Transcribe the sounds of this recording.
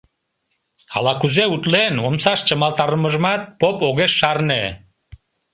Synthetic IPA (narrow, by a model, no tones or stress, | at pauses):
ɑ̰lɑkuzeut̪lenomsɑʃt͡ɕəmɑlˠt̪ɑɾəməʒəmɑt̪̚popoɣeʃːɑrne